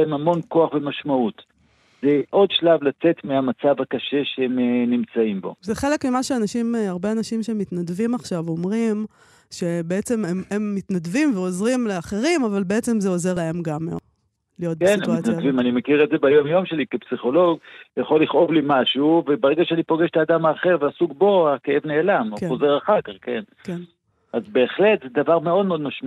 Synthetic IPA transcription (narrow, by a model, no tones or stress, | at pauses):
emamo̞nko̞aχvemaʃmaut̪ | zeʔo̞d̪ʃlavlat͡se̞t̪meamat͡savakaʃe̞ʃeemnimt͡saimbo̞̰zeχe̞le̞kmimaʃeanaʃimaʁbe̞anaʃimʃemit̪nadvimaχʃavomʁim | ʃe̞beet͡se̞mememːitnadvimveo̞zʁimle̞aχe̞ʁimavalbeet͡se̞mzeo̞ze̞ʁlae̞mɡam | lijo̞t̚benmat̪nadvimanimekiʁetzebajo̞mjo̞mʃe̞likepsiχo̞lo̞ɡjaχo̞lːiχo̞vlimaʃuvebaʁeɡaʃeanipo̞ɡeʃe̥t̪aːd̪amaːχe̞ʁveasuɡbo̞akeevne̞ːlamkozeʁaχakaʁken | ken | azbe̞ːχle̞t̪zed̪avaʁme̞o̞d̪meod̪maʃm